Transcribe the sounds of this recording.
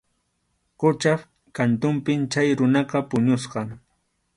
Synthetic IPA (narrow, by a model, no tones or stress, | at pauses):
qʊt͡ʃaf | kant̪ʊmpɪmt͡ʃajɾʊnɑqɑpʊɲʊsqɑŋ